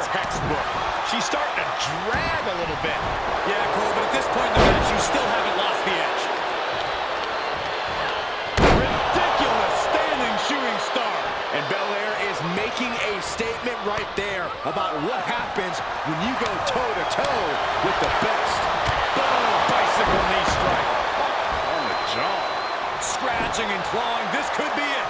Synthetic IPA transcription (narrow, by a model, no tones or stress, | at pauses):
tʰɛkst̚bʊɹk | ʃistɑɹɾtɨdɹæ | ɡəlɪɾl̩ˠbɪt̚ | jækʰulˠbʌɾɨt̪̚ðɪspʰɔ̃ɪ̃nðɨbɛsjɨstɪlˠɦævɨ̃n̩ʔˡlɔst̪̚ðiæt͡ʃ | ɹɪdɪkjl̩ˠəstæ̃ndɪ̃ŋʃʉɹɪ̃ŋstɑɹɾ | ʔɨ̃nbɛlˠɛɹɪzmeɪkɪ̃ŋɨsteɪt̚mɨ̃nʔɹaɪt̪̚ðə˞ | əbaʊt̚wʌt̚hæpɨ̃nz | wɨ̃njɨɡoʊtʰoʊɾɨtʰoʊwɨðɨbɛstb̥oʊ̃b̥aɪsɨkl̩ˠnistɹ̥aɪk | õʊ̃nɨ̰d͡ʒɑb | skɹæd͡ʒɪ̃ŋɨ̃nkʰl̥ɔɪ̃ŋðɪskʰɨd̚bi